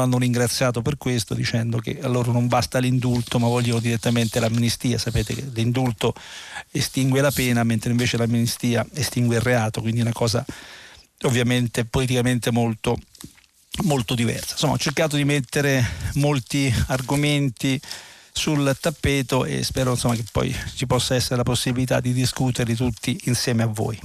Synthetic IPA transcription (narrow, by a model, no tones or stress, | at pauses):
anːoɾiŋɡɾat̪sːjaːt̪operkwest̪od̪it͡ʃɛnd̪okḛalːoːɾanombast̪alind̪ult̪omavːɔʎːonod̪iɾet̪ːament̪elamːinist̪iːasapeːt̪ekelind̪ult̪oest̪iŋɡwelapɛːnament̪ɾeiɱveːt͡ʃelamːinist̪iːaest̪iŋɡweirːeaːt̪okwind̪iunakɔːza̰ | ovːjament̪epolit̪̬ikament̪emolt̪o | molt̪od̪ivɛ̰rsḁn̥somːaɔt͡ʃːerkaːt̪̬od̪imet̪ːeɾemolt̪iarɡoment̪isult̪apːɛːt̪oḛspɛːɾoinsomːakepːɔ̰jt͡ʃipɔsːaɛsːeɾelaposːibilit̪a̰d̪ːid̪iskut̪eɾed̪it̪̬ut̪ʰːiinsjɛːmeavːo̰ːj